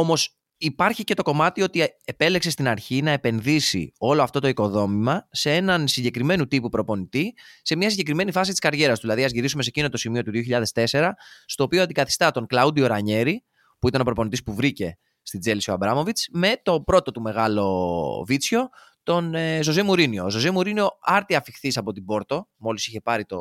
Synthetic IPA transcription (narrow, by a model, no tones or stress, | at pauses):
o̞mo̞s | ipɐɾçice̞t̪o̞ko̞mɐt̪io̞t̪ie̞pe̞leksest̪inɐɾçinɐe̞pe̞nðisḭo̞lo̞ɐft̪o̞t̪o̞iko̞ðo̞mimɐse̞e̞nɐnsiɲɟe̞kɾime̞nut̪ipupɾo̞po̞nit̪ise̞mɲɐsiɲɟe̞kɾime̞nifɐsit̪i̥skɐɾʝe̞ɾɐst̪uðilɐðiɐzʝiɾisumese̞cino̞t̪o̞simio̞t̪uðio̞çiʎɐðe̞st̪e̞se̞ɾɐst̪o̞ːpioɐnd̪ikɐθi̥st̪ɐt̪o̞ŋklɐud̪io̞ɾɐɲe̞ɾi | puit̪ɐno̞pɾo̞po̞nit̪ispuvɾice̞ | st̪id͡ze̞lisiɐbɾɐmo̞vit͡sme̞t̪o̞pɾo̞t̪o̞t̪ume̞ɣɐlo̞vit͡sço̞ | t̪o̞nezo̞zemuɾinio̞zo̞zemuɾinio̞ɐɾt̪iɐfixθisɐpo̞t̪ibo̞ɾt̪o̞mo̞lisiçe̞pɐɾit̪o̞